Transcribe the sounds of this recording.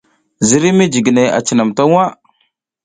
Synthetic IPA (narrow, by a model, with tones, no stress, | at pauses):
zi˨˦ɾi˦mi˦d͡ʒi˨ɡne˨a̰˨t͡ʃi˨na˨mta˦a˦